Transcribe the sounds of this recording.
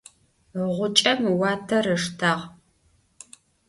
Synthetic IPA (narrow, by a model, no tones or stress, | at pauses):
ʁʷʊt͡ʃʼɐmwɑːtʰɐɾɨʂtʰaʁ